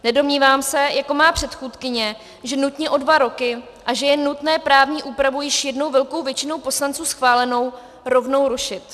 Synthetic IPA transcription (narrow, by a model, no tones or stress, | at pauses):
nɛdo̞mɲiːvaːmsɛjako̞maːpr̝̥ɛt̪xuːt̪kɪɲɛ | ʒɛnut̪ɲɛʔo̞dvaɾo̞kɪ | ʔaʒɛjɛnut̪nɛːpɾaːvɲiːʔuːpɾavujɪʃjɛdno̞wvɛlko̞wvjɛt͡ʃɪno̞wpo̞slant͡suːsxvaːlɛno̞w | ɾo̞vno̞wɾuʃɪt̪